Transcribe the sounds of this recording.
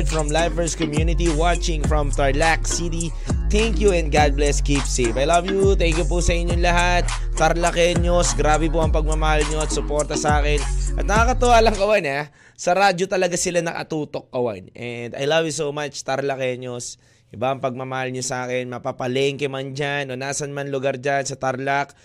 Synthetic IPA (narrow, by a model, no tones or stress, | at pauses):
d̪fɹɔmlajvɛɹskɔmjunɪt̪iwat͡ʃɪ̃ŋfɹɐmt̪ɐɹlaksit̪i | t̪ɛŋkjuɛ̃nd̪̚ɡad̪̚blɛskipsevajlɐvjut̪ɛŋkjupusɐɪɲːoŋlɐɦat̪̚ːɐɾlɐkɛɲosɡɾaːbɛpoʔɐŋpɐɡ̚mɐmɐhalɲoɐt̪sʊpoɾt̪ɐsaːkɛnʔɐt̪̚nɐkakɐt̪ʊwaːlɐŋkɐwana | sɐɾaːd͡ʒot̪ɐlɐɡasɪlanɐ̰kɐ̰t̪uːt̪o̞k̚ːɐwa̰nʔɛnd̪ɐ̰jlɐvjus̬owmat͡ʃt̪ɐɾlɐkɛɲos | ʔɪbaʔɐŋpɐɡ̚mɐmɐhalɲosɐaːkɛnmɐpapɐlɛŋkɛmand͡ʒanʔonaːsɐnmanlʊɡaɾd͡ʒansɐt̪ɐɾlak̚